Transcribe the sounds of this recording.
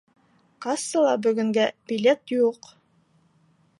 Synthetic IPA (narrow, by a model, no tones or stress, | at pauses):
kɑsɤlˠɑbɵ̆ɡɵ̆ŋɡæb̥ʲilʲet̪juq